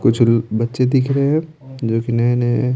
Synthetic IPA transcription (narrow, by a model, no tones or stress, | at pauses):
kʊt͡ʃʰlbɐtːʃed̪ɪkʰɾɐɦeɦɛ̃ | d͡ʒoːkinɛːne